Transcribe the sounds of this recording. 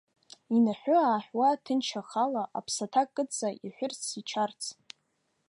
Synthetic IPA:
inaħʷᶣʊaːħʷᶣwatʰɨnt͡ʃʰaχalaʔa̰pʰsatʰakʼːɨt͡sʰʼaʔiħʷᶣʊrt͡sʰit͡ʃʰart͡sʰ

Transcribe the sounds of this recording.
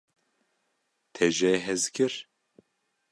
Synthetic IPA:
t̪ʰɛʒɛɦɛzkʰɨɾ

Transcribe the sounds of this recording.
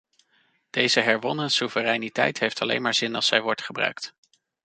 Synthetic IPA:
d̥ejzəɦɛɹʋɔnənsuvərɛjnitɛ̰jtɦejftɑlḛjnmaːɹzɪnɑ̰lˠsɛjʋɔɹtχəbrœ̰ɥkt

